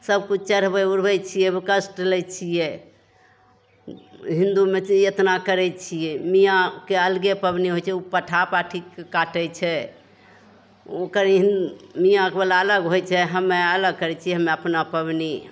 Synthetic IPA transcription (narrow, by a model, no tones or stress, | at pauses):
səb̚kut͡ʃʰt͡ʃəɾbəjuɾbɛt͡ʃʰijɛbkəsʈɾelɛt͡ʃʰijɛ | ɦĩnd̪umeet̪nakəɾɛt͡ʃʰijɛmijãkeəlɡepəbniɦojt͡ʃʰɛupəʈʰapaʈʰikekaʈɛt͡ʃʰɛ | okəɾɦinmijãkebelaələɡɦojt͡ʃʰɛɦəmːeələɡ̚kəɾɛt͡ʃʰijɛɦəmːeəpnapəbni